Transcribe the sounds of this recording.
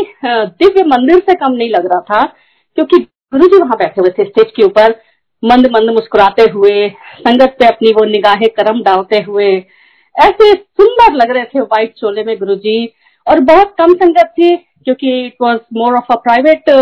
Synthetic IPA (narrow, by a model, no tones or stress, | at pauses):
d̪ɪʋjəmɐ̃nd̪ɪɾsekɐmnɐɦĩlɐɡɾaɦat̪ʰa | kjõːki | ɡʊɾud͡ʒiʋɐɦãbɛːʈʰeɦuet̪ʰesʈeːt͡ʃkeuːpəɾ | mɐ̃nd̪ʱmɐ̃nd̪ʱmʊʃkʊɾaːt̪eɦʊesɐ̃ŋɡət̪̚peɐpniʋonɪɡaːɦẽkɐɾəmɖaːlt̪eɦʊe | ɛːsesʊ̃nd̪əɾlɐɡɾɐɦet̪ʰeʋaːɪʈ̚t͡ʃoːlemẽɡʊɾud͡ʒiː | ɔːɾbɔɦʊt̪̚kɐmsɐ̃ŋɡət̪̚ʰːi | kjõːkiɪʈʋɔːzmoːɾɔːfəpɾaːɪʋeːʈ